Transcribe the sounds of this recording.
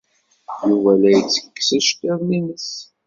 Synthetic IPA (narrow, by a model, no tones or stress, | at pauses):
juvælæjət͡sːə̥kːsæʃt̪æɾlinəs